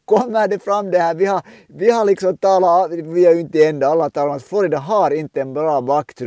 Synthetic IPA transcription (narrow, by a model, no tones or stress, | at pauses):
kʰɔmːəɖɛfɾɑmːd̪ɛhæːɾʋɪhɑ | ʋɪhɑɭɪksɔmt̪ɑːlɑʋɪæɾjʊɪnt̪əɛnd̪ɑɑlːɑt̪ʰɑːlmɑsfɔɾɪd̪əɦɑɾɪnt̪əɛnbɾɑːbɑkt̪ʰɾ